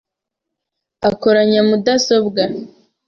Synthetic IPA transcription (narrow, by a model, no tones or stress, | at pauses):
ako̞ɾaɲamudaso̞bɡa